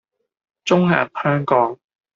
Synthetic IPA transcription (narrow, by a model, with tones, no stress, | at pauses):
t͡sʊ˥ŋhaː˨˩nhœː˥ŋkɔː˨˥ŋ